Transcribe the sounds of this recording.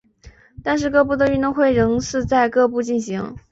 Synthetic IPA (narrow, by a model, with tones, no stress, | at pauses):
t̪a˥˧nʂ̬ɻ̩˥˧kɤ˥˧pu˥˩t̪ə˩y˥˧nt̪ʊ˥˧ŋxwe˥˩ɪɻə˧˥ŋt͡sʰɹ̩˥˧t͡sa˥˧ɪkɤ˥˧pu˥˧t͡ɕi˥˩nɕi˧˥ŋ